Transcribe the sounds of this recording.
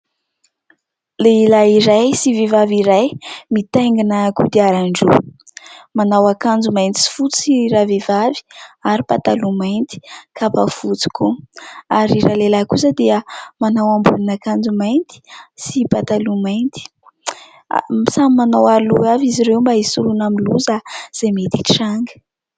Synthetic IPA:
leilaiɾajsivevaviɾajmit̪eŋɡinəkud̪iaɾaɳɖ͡ʐu | manawakand͡zumajnt̪i̥si̥fut͡siɾavevavi̥aɾipat̪alumajnt̪i̥kʰapafut͡si̥kuaɾiɾalelakusəd̪eəmanawambunanakand͡zumajnt̪i̥sipat̪alumajnt̪i̥̰ | samimanawaluaviziɾewmbaisulunamiluzaz̥emet̪i̥ʈ͡ʂaŋɡə̥

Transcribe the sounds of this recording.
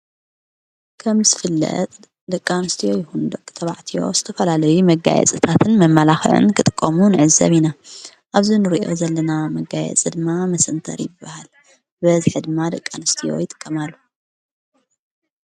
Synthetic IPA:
kʰɐmzɨfɨlːɐ̰t̪ʼ | d̪ɐkʼːanɨst̪ʰijo̞jɪhund̪ɐkʼɨt̪ʰɐβaʕt̪ʰijo̞̰zɨt̪ʰɐfɐlalɐjumɐɡa̰jɛ̰t͡sʼɨt̪ʰat̪ʰɨnmɐmːɐlaxɨ̰ʕɨ̰nkʰɨt̪ʼɨ̥kʼːɐmunɨʕɨzɐ̰βina | ʔaβzinɨɾiʔo̞̰zɐlːɐnamɐɡajɛ̰t͡sʼɨd̪ɨmːamɐsɨnt̪ʰɐ̰ɾijɪbːahal | bɐzħɨd̪ɨmːad̪ɐkʼːanɨst̪ʰijo̞̰jɪt̪ʼɨ̥kʼːɐmalːu

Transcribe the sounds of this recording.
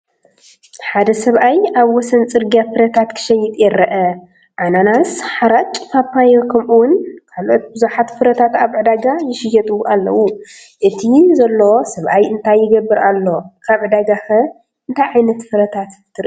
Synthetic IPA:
ħad̪ɐsɐβʔajaβwɔsɐnt͡sʼɨɾɡijafɨɾɐt̪ʰat̪kʰɨ̥ʃɐjːɪt̪ʼjɛɾɐʔɐ | ʔananasħaɾatt͡ʃʼɨfapːajokʰɐmʔuwʊnkʰalʔo̞t̪bɨzuħat̪fɨɾɐt̪ʰat̪aβʕɨd̪aɡajɪʃɪjɛt̪ʼuʔalːɐ̰wu | ʔɨt̪ʰizɐlːosɐβʔajɨnt̪ʰajːɪɡɐbːɨɾʔalːo̞kʰaβʕɨd̪aɡaxɐ | ʔɨnt̪ʰajʕajnɐt̪fɨɾɐt̪ʰat̪t̪ʰɨɾ

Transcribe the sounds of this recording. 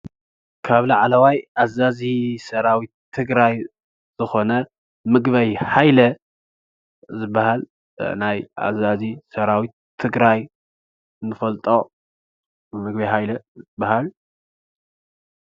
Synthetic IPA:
kʰaβlaʕalɐwajazazisɐɾawit̪ʰːɨɡɾaj | z̥ɨxo̞nɐ | mɨɡbɐjħajlɐ | zɨbːahal | naja̰zazisɐɾawit̪ʰːɨɡɾaj | ɨnɨfɐlt̪ʼo | mɨɡbɐjhajlɐzɨbːahal

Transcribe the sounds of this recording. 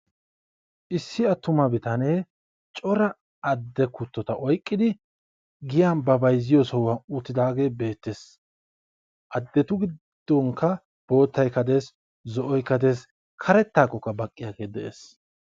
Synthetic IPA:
ʔɪsːɪɐt̪ːʊmɐbɪt̪ɐneː | t͡ʃʼɔɾɐ | ɐd̪ːɛkʊt̪ːɔt̪ɐʔɔjkʼːɪd̪ɪ | ɡɪjaːnbɐbɐjzːɪjɔsɔwɐʊt̪ːɪd̪aːɡe̞ːbe̞ːt̪ːes | ʔɐd̪ːɛt̪ʊɡɪ | d̪̥ːɔŋkːɐ | b̥o̞ːt̪ːɐjkɐd̪e̞ːs | zɔʔɔjkɐd̪e̞ːs | kʰɐɾɛt̪ːaːkːɔkːɐbɐkʼːɪjaːɡe̞ːd̪ɛʔḛːs

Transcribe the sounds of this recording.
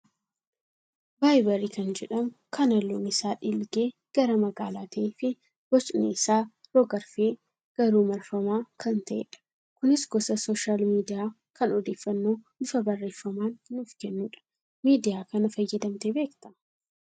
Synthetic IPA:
baːjbɐɾiːkɐnd͡ʒɛᶑɐmkʰɐnɐlːo̰ːnɪsaːᶑɪlɡe̞ː | ɡ̥ɐɾɐmɐɡaːlaːt̪ːfɪ | bɔt͡ʃʼnḛɪsaːɾoɡɐɾfeː | ɡ̥ɐɾuːmɐɾfɐmaːkʰɐnt̪ɐʔḛːᶑɐ̥ | kʊnɪsɡɔsɐsoːʃaːlmiːd̪ɪjaː | kɐnɔd̪eːfːɐnːo̞ːnɪfɐbɐrːe̞ːfːɐmaːnnufkɛnːuːᶑɐ̥ | miːd̪ɪjaːkɐnɐfɐjːɐd̪ɐmt̪ebe̞ːkt̪ɐ̥

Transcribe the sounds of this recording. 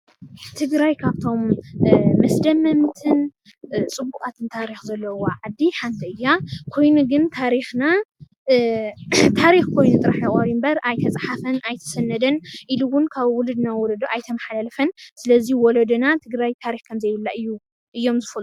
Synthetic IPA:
t̪ʰɨɡɾajkʰaβt̪ʰo̞mː | ɐsd̪ɐmɐmt̪ʰɨn | t͡sʼɨbːukʼat̪ʰɨnt̪ʰaɾixzɐlːɐwoʕad̪ːiħant̪ʰɐɨjːakʰo̞jnuɡɨnt̪ʰaɾixna | t̪ʰaɾixkʰo̞jnut̪ʼɨɾaħjɐχʼɐɾimbɐɾajt̪ʰɐt͡sʼħafɐnajt̪ʰɐ̥sɐnːɐd̪ɐnʔiluwʊnkʰaβwʊlɨd̪nawɔlɐd̪oʔajt̪ʰɐmɐħalalɐfɐnsɨlɐziwɔlɐd̪ɐnat̪ʰɨɡɾajt̪ʰaɾixkʰɐmzɐjβɨlːaʔɨjːu | ʔɨjːo̞mzɨfɐl

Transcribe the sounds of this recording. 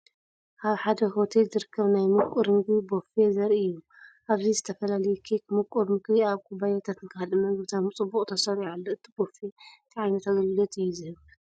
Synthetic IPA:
ʔaβħad̪ɐɦot̪ʰelzɨɾɨkʰːɐβnajmukʼuɾmɨɡɾibofezɐɾiɨjːu | ʔaβzizɨt̪ʰɐfɐlalɐjukʰekmukʼuɾmɨɡɾiaβkʰubajat̪ʰat̪ɨnkʰɨalɨmɐŋɡβt̪ʰamɨt͡sʼɨbːuχʼt̪ʰɐsɐɾialːoɨt̪ʰi̥bo̞fent̪ʰʕajnɐt̪aɡɐlɨlot̪ɨjːuzɨhɨβ

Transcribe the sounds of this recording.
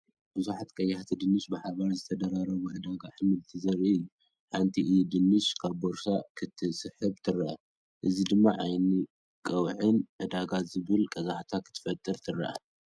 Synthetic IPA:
b̥ɨzuħat̪kʼɐjːaħt̪ʰid̪ɨnːɨʃbɨħaβaɾzɨt̪ʰɐd̪ɐɾaɾɐβuʕɨd̪aɡaʔɨmɨlt̪ʰizɐɾɨjːu | ħant̪ʰiʔd̪ɨnːɨʃkʰaβːoɾsakʰɨt̪ʰɨsɨħɨβt̪ʰɨɾɐʔa | ʔɨzid̪ɨmːaʕajni | kʼɐwʕɨnʕɨd̪aɡazɨβɨlkʼɐzaħt̪ʰakʰɨt̪ʰɨ̥fɐt̪ʼːɨɾt̪ʰɨɾːɐ̰ʔa̰

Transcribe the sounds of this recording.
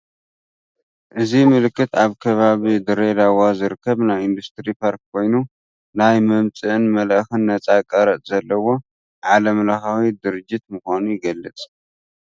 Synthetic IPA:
ʔɨzimɨlɨkːɨt̪aβkʰɐβaβid̪ɨɾed̪awazɨɾɨkʰːɐβnajind̪ust̪ɾipʰaɾk̚kʰo̞jnu | najmɐmt͡sʼɨʔɨnmɐləxɨnːɐt͡sʼakʼɐɾɐʔʼzɐlːɐwo̞ | ʕalɐmlaxawid̪ɨɾɨd͡ʒːɪt̪mɨxʷanujɪɡɐlːɨt͡sʼ

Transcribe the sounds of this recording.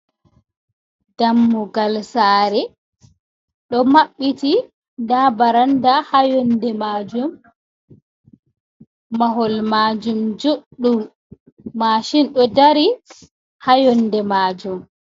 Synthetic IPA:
damːuɡalsaːɾɛ | ɗɔmaɓːiti | dabaɾandahajɔndɛmaːd͡ʒum | aɦɔlmaːd͡ʒumd͡ʒoɗːumː | aːʃinɗɔdaɾi | hajɔndɛmaːd͡ʒum

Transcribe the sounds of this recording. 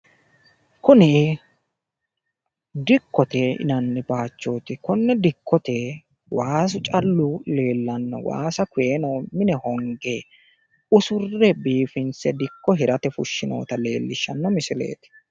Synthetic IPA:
kʊnɪ | d̪ɪkːɔt̪ɛɪ̰nɐnːɪbaːt͡ʃːo̞ːt̪ɪkʊnːɛd̪ɪkʰːɔt̪ɛ | waːs̬ʊt͡ʃʼɐlːʊle̞ːlːɐnːɔ̰wa̰ːsɐkʊjeːnomɪnɛhɔŋɡeː | ʊsʊrːɛbiːfɪnsɛd̪ɪkːɔɦɪɾɐt̪ɛfʊʃːɪno̰ːt̪ɐle̞ːlːɪʃːɐnːɔmɪsɪlḛːt̪ɪ̥

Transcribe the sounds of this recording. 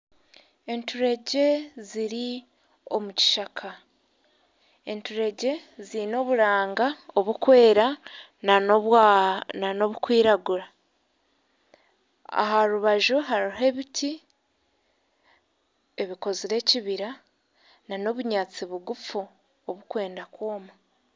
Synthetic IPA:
e̞ntuɾe̞ɟe̞ziɾi | o̞muci̥ʃakʰa | entuɾe̞ɟe̞zino̞βuɾaːŋɡaoβukwe̞ːɾa | n | nano̞βukwiːɾaɡuɾa | a̰ɦaɾuβaʒoɦaɾiɦe̞βiti | e̞βiko̞ziɾe̞ciβiɾa | nano̞βuɲaːt͡siβuɡufu | oβukwe̞ːndakwo̞ːma

